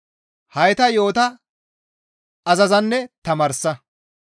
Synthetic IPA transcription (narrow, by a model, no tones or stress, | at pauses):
hɐjt̪ɐjo̞ːt̪ɐ | ɐzɐzɐnːɛt̪ɐmɐːɾsːɐ